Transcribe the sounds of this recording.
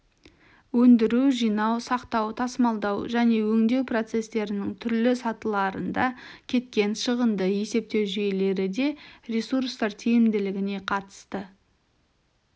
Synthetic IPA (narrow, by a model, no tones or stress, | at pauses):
wɵnd̪ɪɾuʒijnɑwsɑqt̪ɑwt̪ʰɑsmɑlˠd̪ɑwʒæne̞wɵŋd̪e̞wpro̞t̪se̞st̪e̞ɾɪnɪŋt̪ʰʏɾlɪsɑt̪əlˠɑɾə̰nd̪ɑkʲʰe̞t̪̚kʲe̞nʃəʁənd̪əje̞se̞p̚t̪e̞wʒejle̞ɾɪd̪e̞rʲesuɾst̪ɑɾt̪ʰijɪmd̪ɪlɪɡʲɪne̞qʰɑt̪ə̥st̪ə